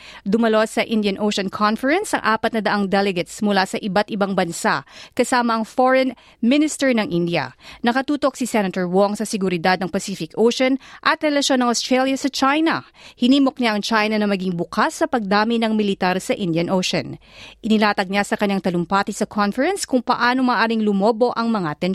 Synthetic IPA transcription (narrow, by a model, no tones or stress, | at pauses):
d̪ʊmɐlo̞sɐʔɪnd̪jɐnʔowʃɐnkʰonfɛɹɛnsɐŋʔaːpɐt̪̚nɐd̪ɐʔaŋd̪ɛlɛɡɛt̪smʊlasɐʔɪbat̪̚ɪbaŋbɐnsaʔkɐsaːmɐʔɐŋfoɹɛn | mɪnɪst̪ɛɹnɐŋʔɪnd̪jɐ̰nɐkɐt̪uːt̪o̞k̚sisɛnɐt̪ɛɹwoŋsɐsɪɡʊɾɪd̪ad̪̚nɐŋpɐsifɪkʔowʃonʔɐt̪ɾɛlɐʃo̞nːɐŋʔost̪ɹɛljɐsɐt͡ʃajnɐhɪniːmo̞k̚ɲaʔɐŋt͡ʃajnɐnɐmɐɡiŋbʊkʰasːɐpɐɡ̚d̪aːmɪnɐŋmɪlɪt̪aɾsɐʔɪnd̪jɐnʔoʃo̰nʔɪnɪlaːt̪ɐɡ̚ɲasɐkɐɲːaŋt̪ɐlʊmpat̪isɐkʰonfɛɾɛnskʊŋpɐ̰ʔaːno̞maːʔaːɾɪŋlʊmo̞ːbo̞ʔɐŋmɐŋat̪ɛn